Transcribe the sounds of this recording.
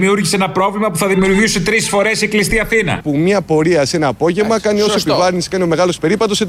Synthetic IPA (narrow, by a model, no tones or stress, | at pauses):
miuɾʝiseenɐpɾo̞vlimɐpuθɐðimiuɾʝisut̪ɾisfo̞ɾe̞siklist̪iɐθinɐ̰pumɲɐpo̞ɾiɐse̞nɐːpo̞ʝe̞vmɐkɐnio̞soepivɐɾniskɐnio̞me̞ɣɐlo̞spe̞ɾipɐt̪o̞si